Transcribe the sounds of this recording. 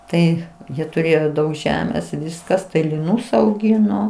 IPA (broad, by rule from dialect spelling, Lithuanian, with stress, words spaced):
ˈtɐɪ ˈjiɛ tʊˈrʲeːjoː ˈdɐʊk ˈʒʲæːmʲeːs ˈʋʲɪskɐs tɐɪ lʲɪˈnuːs ɐʊˈɡʲɪnoː